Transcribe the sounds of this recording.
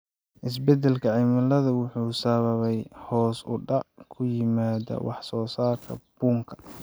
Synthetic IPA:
ʔɪs̬bɛd̪ɛlkʰɐʕimɐlɐðɐwʊħuːsɐβɐβɛjhɔːsʊɖɑʕkʰʊjɪmaːðɐ̰wʔɑ̰ħsɔːsaːrkʰɐ̰b̥uːŋkʰɐ̥

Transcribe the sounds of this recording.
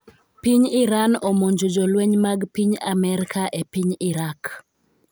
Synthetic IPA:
piɲiɾanomoɲd͡ʒod͡ʒolweɲmaɡpiɲamɛɾkʰaʔepiɲɪɾak

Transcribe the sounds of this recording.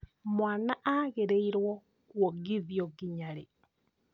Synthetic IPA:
mwanaʔaɣeɾeiɾwɔ | kwɔɡiðjɔɡiɲaɾe

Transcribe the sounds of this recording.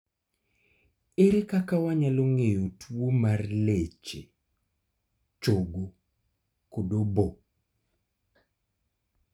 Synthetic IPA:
eɾekakawaɲaloŋejotʰwwomarlet͡ʃe | t͡ʃoɡo | kodobo

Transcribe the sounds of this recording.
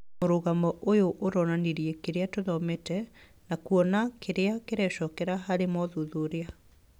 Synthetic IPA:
oɾoɣamɔʔojoʔoɾɔnaneɾiekeɾeatoðɔmetɛ | nakuɔnakʰeɾeakeɾɛɕɔkɛɾaɦaɾemɔðoðoɾea

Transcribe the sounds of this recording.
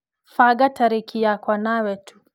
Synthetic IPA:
faɡataɾikʰijakwanawɛtʰu̥

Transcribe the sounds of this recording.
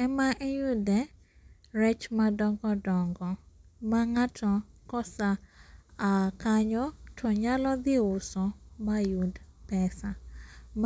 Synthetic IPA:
ɛmaʔejudɛ | ɾɛt͡ʃmadɔŋɡɔdɔŋɡɔ | maŋatʰɔkɔsaakaɲɔtʰɔɲalɔd̪ɪʊsɔmajudpɛsam

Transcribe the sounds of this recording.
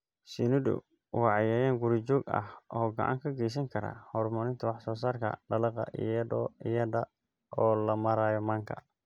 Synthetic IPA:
sinʊd̪ʊ̰ | wɑːʕɑjaːjaːŋɡuɾit͡ʃɔːɡɐ̰hʔɔːɡɐ̰ʕa̰ŋkʰɐɡɛjs̬ɐŋkʰɐɾa̰hɔːrmɔnɪnt̪ʰɐwɑħsɔːs̬aːrkʰɐ̰ɖɐlɐqɐ̰ʔḭjɐdɔːɪjɐdɐ | ɔːlɐmɐɾaːjɔmaːŋkʰɐ̰

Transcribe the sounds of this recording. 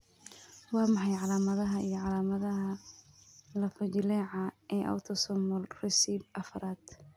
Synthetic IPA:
wɑːmɑħɑjʕɑlaːmɐðɐɦɐʔijɞʕɑlaːmɐðɐɦɐ | lɐfɐd͡ʒɪlɛːʕɑʔɛːʔɐ̰wt̪ʰɔsɔmɔlrɛsiːbɐfɐɾaːd̪̥

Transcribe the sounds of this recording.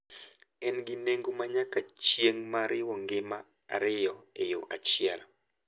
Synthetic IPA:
ɛnɡineŋɡomaɲakat͡ʃjeŋmaɾɪwɔŋɡɪma | a̰ɾɪjɔejoʔa̰t͡ʃɪɛl

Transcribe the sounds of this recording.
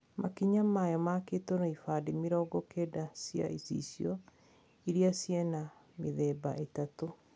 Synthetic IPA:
mʔakiɲamajɔmakeːtonaifaːdemiɾɔːɡɔkedasja̰isḭsjɔ | iɾiasjɛna | meðɛːbaʔetato

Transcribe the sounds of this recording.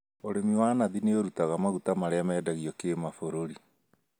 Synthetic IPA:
oɾemiwaːnaðineoɾutaɣamaɣutamaɾeamɛːdaɣiɔkemafoɾoɾi

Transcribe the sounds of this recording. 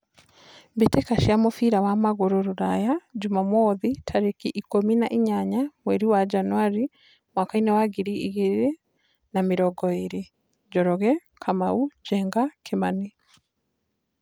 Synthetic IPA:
betekaʃiamofiɾawamaɣoɾoɾoɾajad͡ʒumamɔðitʰaɾekiʔikominaʔiɲaɲamwɛɾiwad͡ʒanwaɾi | mwakainɛwaɣiɾiiɣeɾe | nameɾɔɡɔeɾe | d͡ʒɔɾɔɣɛ | kʰamaud͡ʒɛŋɡakʰemani

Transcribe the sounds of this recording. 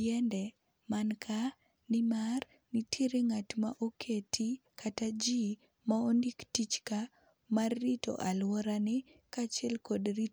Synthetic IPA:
jɛndɛ | mankʰa | nɪmar | nɪtʰeɾeŋatma̰ʔokʰetʰikʰatad͡ʒi | maondiktit͡ʃka | marːito̰ʔalwɔɾanɪ | kat͡ʃɛlkɔdri

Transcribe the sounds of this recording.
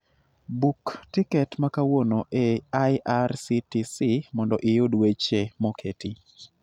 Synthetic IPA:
buktikɛtmakawonoʔeajʔarsitisimɔndɔʔɪjʊdwet͡ʃemokʰeti

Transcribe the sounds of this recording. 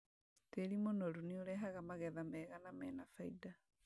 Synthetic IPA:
teɾimonɔɾunioɾɛɦaɣamaɣɛðamɛːɣanamɛːnafaida

